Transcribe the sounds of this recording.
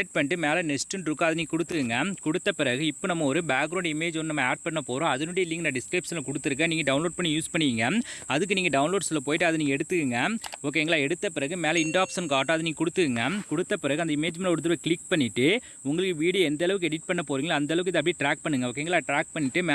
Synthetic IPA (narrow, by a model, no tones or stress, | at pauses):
ʈ̚pɐnːɪʈ̬ːɯmeːlɐnɛsʈɯɳɖɾɯkːõɐðɐniːɡɐkʊɽɯt̪ːɯkɯŋɡɐkʊɽɯt̪ːɐpɪɾɐɣɯɪpːoːnɐmːɐɔɾɯbaːkɡːɾɐʊɳɖɪmeːd͡ʒʋɔnːɯnɐmːɐaːɖ̚pɐɳːɐpoːɾõːɐðɯnuːɽiɪlːɪŋɡɐnɐɖɪskɾɐɪpsɐlɐkɔɽɯt̪ːɯɾɯkːɐniːŋɡɐɖɐʊnloːɖ̚pɐɳːijuːspɐɳːɯʋiːŋɡɐɐðɯk̬ːɯniːŋɡɐɖɐʊnloːɖsɐlːɐp̬oːjɪʈːɯɐðɯniːŋɡɐɛɽɯt̪ːɯkːɯŋɡɐɔkːeɛŋɡɐɭaːɛɽɯt̪ːɐpɪɾɐɣɯmeːlɐɪɳɖaːpsɐnkaːʈːõɐðɯniːŋɡɐkʊɽɯt̪ːɯɯŋɡɐkʊɽɯt̪ːɐpɪɾɐɣɯɐnd̪ɐɪmeːd͡ʒmɛɳɔɾɯt̪̬ːɯɾʋɐkɭɪk̚pɐɳːɪʈːɯ | ʊŋɡɐɭɯkːɯʋiːɽɪɛnd̪ɐɛlɐʋɯk̬ːɯɛɽɪʈ̚pɐɳːɐpoːʋiːŋɡɐlaɐːnd̪ɐɛlɐʋɯk̬ːɯɪðɐp̬ːɽiʈɾaːk̚pɐɳːɯŋɡɐʋɔkːeɛŋɡɐɭaːʈɾaːk̚pɐɳːɪʈːɯmː